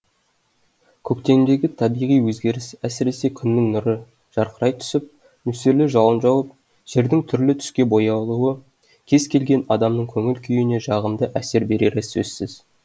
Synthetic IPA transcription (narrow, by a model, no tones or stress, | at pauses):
kʲʰɵk̚t̪e̞ŋd̪e̞ɡʲɪt̪ʰɑbijʁijwɵzɡʲe̞ɾɪsæsɪɾe̞se̞kʲʰʏnːɪŋnʊɾə | ʒ̥ɑɾqəɾɑjt̪ʰʏ̥sɪp̚ | mʏseɾlɪʒɑlˠənʒɑwəp̚ | ʒ̥e̞ɾd̪ɪŋt̪ʰʏɾlɪt̪ʰʏ̥skʲe̞bo̞jɑlˠuə | kʲʰe̞z̥kʲʰe̞lɡʲe̞nɑd̪ɑmnəɴkʲʰɵŋɪlkʲʰʏjɪne̞ʒɑʁəmd̪əʔæse̞ɾbe̞ɾeɾesɵ̰zsɪz̥